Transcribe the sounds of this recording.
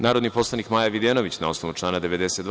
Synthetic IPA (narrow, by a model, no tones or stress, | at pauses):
naːɾod̪nipo̞slˠanikmaːjaʋid̪eno̞ʋit͡ɕnao̞sno̞ʋut͡ʃlˠaːnad̪eʋe̞d̪e̞set̪d̪